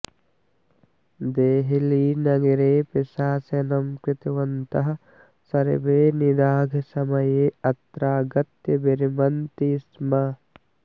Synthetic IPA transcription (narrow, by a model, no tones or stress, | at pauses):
d̪eːɦiliːnɐɡiɾeːpisaːsenɐmkɾɪt̪iʋɐnt̪ɐɦɐ̆ | sɐɾḭbeːnid̪aːɡʱɐsɐmɐjeːɐt̪ɾaːɡɐt̪jɐbiɾimɐnt̪ismɐ